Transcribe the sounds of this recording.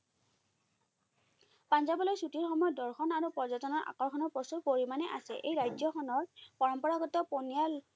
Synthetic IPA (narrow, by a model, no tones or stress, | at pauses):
panzabɔlojsutiɹxɔmɔjɔtdɔɹxʰɔnaɹupɔzatɔnɔɹʔa̰kɔɹxʰɔnɔɹposupoɹimanɛʔa̰sɛ̰ʔejɹajzɔxʰɔnɔɹpɔɹɔmpɔɹaɡɔtːɔponijal